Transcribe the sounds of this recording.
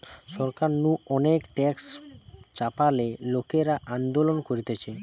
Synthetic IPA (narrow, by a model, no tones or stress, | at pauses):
ʃɔɾkaɾnũɔnekʈɛkst͡ɕapalelokeɾaʔand̪olonkoɾit̪et͡ɕʰe